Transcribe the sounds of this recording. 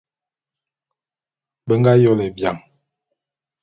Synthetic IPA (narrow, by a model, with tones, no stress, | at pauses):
bə˦ŋɡa˦jɔ˦lɛ˨bja̰˨ŋ